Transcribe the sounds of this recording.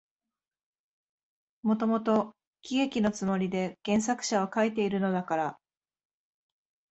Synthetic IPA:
mo̞t̪omo̞t̪o̞ | kʲiɡe̞kʲino̞t͡sɨmo̞ɾʲid̪e̞ɡ̥ẽ̞ɰ̃sakɯ̟̥ɕaβakait̪e̞iɾɯ̟no̞d̪akaɾa

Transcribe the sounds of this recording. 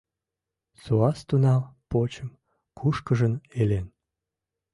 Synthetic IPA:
suɑst̪unɑlpot͡ɕəm | kʰuʃkəʒənelen

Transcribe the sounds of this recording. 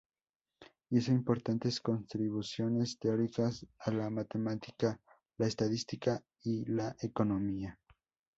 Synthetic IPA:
isoimpo̞ɾt̪ant̪e̞sko̞nt̪ɾiβusjo̞ne̞st̪eo̞ɾikasalamat̪e̞mat̪i̥ka | laest̪aðist̪ika | ilaʔeko̞no̞mia

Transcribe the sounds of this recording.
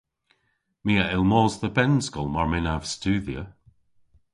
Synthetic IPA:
miːəɪlˠmɔːzðəbɛnsɡɔlˠmaɹmɪnav̥stʉːðjə

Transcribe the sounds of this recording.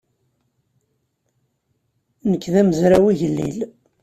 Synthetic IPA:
nəkːðæməzɾæwiʝəlːḭl

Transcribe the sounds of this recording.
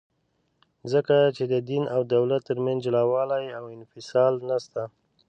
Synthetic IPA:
zəkat͡ʃed̪əd̪inawd̪awlat̪ːəɾmand͡ʒlawɑlajawɪnfɪsɑlnast̪a

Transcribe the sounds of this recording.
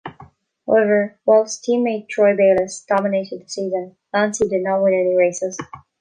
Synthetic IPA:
haʊɛvə˞waɪlˠstʰĩmːeɪd̚tʰɹɔɪbeɪlˠɪsd̥ɑməneɪɾɨd̪̚ðəsiːzə̃n | læ̃nsidɨdⁿnɔt̚wɪ̃nɛɹiɹeɪsɪz̥

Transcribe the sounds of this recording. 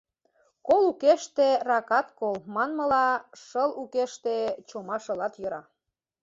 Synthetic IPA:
kolukeʃt̪erɑkɑt̪kolmɑnmɤ̆lɑʃɤlukeʃt̪et͡ɕomɑʃɤ̆lɑt̪jə̆ɾɑ

